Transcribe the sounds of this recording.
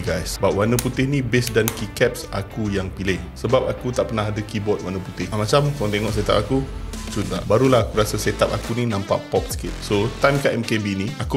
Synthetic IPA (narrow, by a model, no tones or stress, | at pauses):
ɡajsəbap̚wanəput̪ɪhnĩbesdankikɛp̚sa̰kujaŋpilɪhsəbap̚akut̪aʔpənaɦadəkibɔt̪̚wanəput̪ɪhmat͡ʃamkalãŋt̪eŋɔʔset̪a̰p̚akut͡ʃunabaɾulaɦakuɾasaset̪ap̚akuninãmpa̰ʔpɔp̚sə̥kɪt̪̚sot̪ajmkaʔɛmkebiniaku